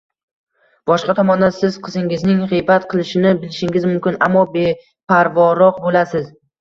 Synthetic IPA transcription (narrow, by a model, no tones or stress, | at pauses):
b̥ɒʃqɑt̪ʰɒmɒnd̪ansɪzqʰɨzɪŋɪznɪŋʁɨjbat̪qʰɨlˠɪʃɪnɪbɪlɪʃɪŋɪzmʊmkʲɪnamːɒbe | pʰaɾvɒɾɒqbolasɪz